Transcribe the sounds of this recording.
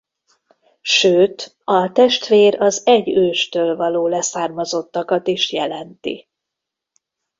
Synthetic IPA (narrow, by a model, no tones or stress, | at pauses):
ʃøːt̪ | ɒt̪ɛʃt̪ʋeːɾɒzɛɟːøːʃt̪øːlvɒloːlɛsaːrmɒzo̞t̪ːɒkɒt̪iʃjɛlɛnt̪ḭ